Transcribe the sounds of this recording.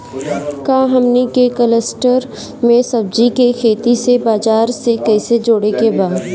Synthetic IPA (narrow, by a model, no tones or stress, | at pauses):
kaːɦəmnikekələsʈəɾ | mẽsɐb̚d͡ʒikekʰeːt̪isebaːd͡ʒaːɾsekɛːsed͡ʒoːɽekebaːd̪